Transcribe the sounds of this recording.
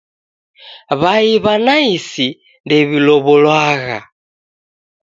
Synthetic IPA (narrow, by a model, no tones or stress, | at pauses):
βaiβanaisi | ndɛβilɔβɔlwaːɣa̰